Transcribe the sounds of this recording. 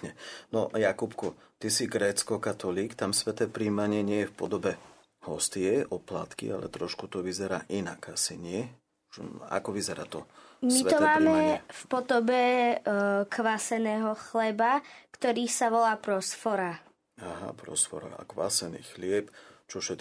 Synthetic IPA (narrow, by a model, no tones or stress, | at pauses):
ɲɛnɔ̰jakupkɔ | t̪isiɡɾɛːt͡skɔkat̪ɔliːkt̪amsʋɛt̪ɛːpɾiːmaɲɪɛɲɪɛjɛfpɔd̪ɔbɛ | hɔst̪iɛʔɔpla̰t̪kḭa̰lɛ̰t̪ɾɔʃkut̪ɔʋizɛɾa̰ːʔinaɡasḭɲɪɛ | a̰kɔʋizɛɾa̰ːt̪ɔ | mitɛɔmaːmɛɛfpɔd̪ɔbɛ | kʋasɛnɛːɦɔxlɛbakt̪ɔɾiːsaʋɔlaːpɾɔsfɔɾa | aɦa̰pɾɔ̰sfɔ̰ɾa̰kʋa̰sɛnḭːxlɪɛpt͡ʃɔfʃɛt̪